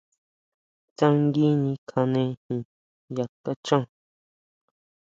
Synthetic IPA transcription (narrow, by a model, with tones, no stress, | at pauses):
t͡sã˦˧ŋɡi˦ɲĩ˧kʰa˧nẽ˧hĩ˨ | ja˨ka˦t͡ʃã˦˨